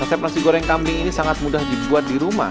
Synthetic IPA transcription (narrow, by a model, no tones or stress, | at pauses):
rɛsɛp̚nasiɡoɾɛŋkamɾɪŋinisaŋat̪̚mudahdibuat̪̚diɾuma̰